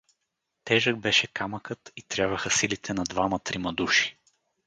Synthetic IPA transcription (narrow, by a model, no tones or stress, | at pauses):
t̪ɛʒəɡ̚bɛʃɛkaməkɤt̪it̪ɾʲjavɐxəsilit̪ʰɛnɐd̪vamɐt̪ɾimɐd̪uʃi̥